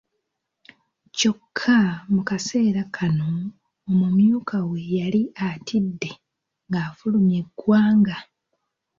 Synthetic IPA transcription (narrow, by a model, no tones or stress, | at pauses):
co̞kʰːamukase̞ːɾakʰano̞ː | mumjuːkawe̞jaliatʰidːe̞ | ŋɡaːfulumje̞ɡwaːŋɡa